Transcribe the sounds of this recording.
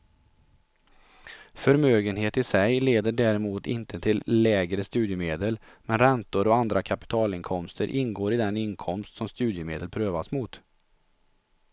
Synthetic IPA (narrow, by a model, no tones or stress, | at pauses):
fœɾmøːɡənɦeːt̪ɪsɛjleːd̪əɖæːɾɛmuːt̪ɪ̰nt̪ət̪ʰɪlːɛːɡɾəst̪ʉ̟ːd̪jəmeːd̪əl | mɛnɾɛnt̪ʊɾɔand̪ɾakʰapɪ̥t̪ʰɑːlɪŋkʰɔmst̪əɾʔɪnɡoːɾɪd̪ɛnɪnkʰɔmst̪sɔmst̪ʉ̟ːd̪jəmeːd̪əlpʰɾøːvasmuːt̪